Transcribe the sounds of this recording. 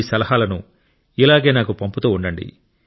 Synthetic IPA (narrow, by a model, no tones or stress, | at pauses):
isɐlɐhaːlɐnu | ilaːɡe̞ːnaːkupɐmput̪oːuɳɖɐɳɖḭ